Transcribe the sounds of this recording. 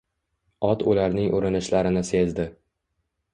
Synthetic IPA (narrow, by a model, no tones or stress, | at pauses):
ɒt̪ʊlaɾnɪŋʔoɾɪnɪʃlaɾɪnɪse̞zd̪ɪ